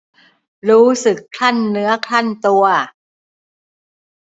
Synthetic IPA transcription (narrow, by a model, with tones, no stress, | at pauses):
ɾuː˦˥sɯ˨˩kʰla˥˩nːɯ˦˥ɐkʰla˥˩nt̪u˧ɐ